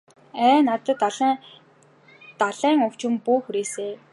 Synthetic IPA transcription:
æːnat̪ə̆t̪aɮ | t̪aɮæːŋʊw̥t͡ɕɪ̆mpuːxuɾeːseː

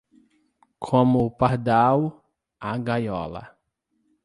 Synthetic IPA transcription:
kʰõmʊpaɾd̪aw | aɡajɔ̰lɐ̰

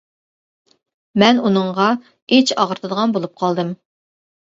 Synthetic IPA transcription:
mɛnunɨɴʁɑ | et͡ʃɑʁəɾt̪ʰɨd̪əʁɑnbolˠup̚qʰɑlˠd̪ɨm

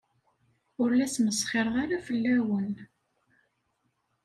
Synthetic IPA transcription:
ʊɾlæsməsˤχɪɾˤʁaɾæfəlːæwən

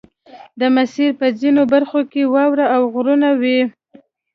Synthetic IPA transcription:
d̪əmasiɾpəzinobaɾxokewɑwɾaːwɣɾunawi

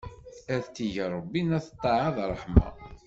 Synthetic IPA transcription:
æðt̪ːiʝəɾˤəbːinæθət̪ˤːɑʕɑðrˤːəħmɑ̰

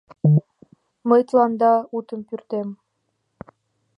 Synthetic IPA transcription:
məjt̪lˠɑnd̪ɑut̪əmpyrt̪em

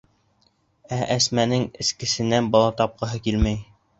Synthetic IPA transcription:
æʔæsmænɘŋɘ̆skɘ̆sɘ̆nænbɑlˠɑt̪ɑp̚qɤ̆ɦɤkilmæj

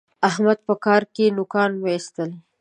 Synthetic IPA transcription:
ahmad̪̚pəkɑɾkenʊkɑnwəist̪əl

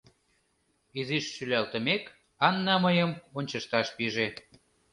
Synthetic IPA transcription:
iziʃːylʲælt̪ə̆mek | ɑnːɑməjəmonʲt͡ɕəʃt̪ɑʃpiʒe

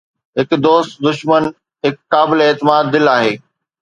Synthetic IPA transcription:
ɦɪkd̪oːst̪d̪ʊʃmən | ɦɪkːaːbɪleeːt̪ɪmaːd̪ːɪlaːɦeː

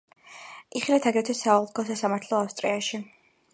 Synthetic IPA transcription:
iχilat̪ʰaɡɾɛt̪ʰɛsaɔlˠkʰɔsasamaɾt̪ʰlˠɔafst̪ʼɾiaʃi

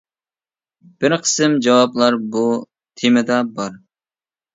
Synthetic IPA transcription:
b̥ɪɾqʰə̥sɨmd͡ʒɑwɑplˠɑɾbu | t̪ʰemɪd̪ɑbɑɾ

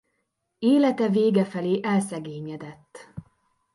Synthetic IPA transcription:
eːlɛt̪ɛveːɡɛfɛleːʔɛlsɛɡeːɲɛd̪ɛt̪ː

